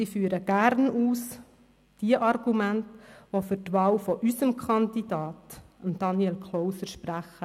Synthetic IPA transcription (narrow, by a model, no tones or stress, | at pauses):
sifyːəɾəɡ̥æɾnuːs | d̥iəʔɑrɡumæntʋofʏɾtʋɑːwfɔʔysəmkʰχɑndid̥ɑːtəmd̥ɑnjɛlkʰlɔʊsəɾʃpræχə